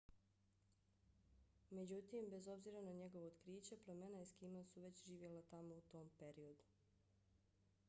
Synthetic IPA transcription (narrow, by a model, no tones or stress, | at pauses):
me̞d͡ʑut̪imbe̞zo̞bziːɾanaɲe̞ɡoʋoot̪kɾiːt͡ɕe̞pleme̞naiskimasuʋe̞t͡ɕʒiːʋje̞lat̪amo̞ut̪o̞ːmpe̞ɾio̞d̪u